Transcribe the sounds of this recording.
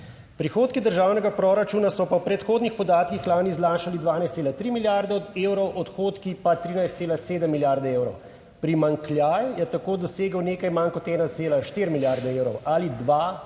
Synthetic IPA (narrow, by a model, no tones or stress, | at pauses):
pɾixoːt̪kid̪əɾʒaːwnɛɡapɾoɾat͡ʃuːnasɔpawpɾɛt̪xoːd̪nixpɔd̪aːt̪kixlaːnizlaːʃalid̪ʋaːnajst̪seːlat̪ɾimiljaɾd̪ɛeːwɾɔwʔɔt̪xoːt̪kipat̪ɾiːnajst̪seːlaseːd̪əmːiljaɾd̪ɛeːwɾɔw | pɾimaŋkljajjɛt̪akoːd̪ɔseːɡəwneːkajmankɔt̪ɛːnat̪seːlaʃt̪iɾmiljaːɾd̪ɛeːwɾɔwalid̪ʋa